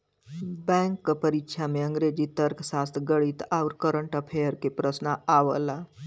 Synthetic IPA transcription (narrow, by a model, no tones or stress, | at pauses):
bɛ̃ːŋkːəpəɾikʃʰameə̃ŋɡɾed͡ʒit̪əɾkʰsaːst̪ʰɡəɽit̪aʊɾkəɾəɳʈapʰejəɾkepɾəsnaaʋə̰la